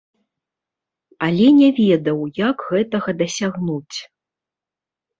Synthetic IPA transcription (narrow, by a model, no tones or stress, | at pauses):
ɐlʲɛnʲɛvʲɛd̪ɐwjaɡɣɛt̪ɐɣɐd̪ɐsʲaɣnut͡sʲ